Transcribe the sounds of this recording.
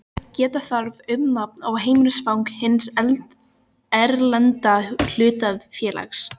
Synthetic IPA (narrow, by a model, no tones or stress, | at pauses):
cɛːt̪aθaɾvʏmnap̚nawɦeːjmʏnʏsfawŋkhɪnsɛlt̪ | ɛɾlɛnt̪al̥ʏːt̪aðfjɛːlʔa̰xs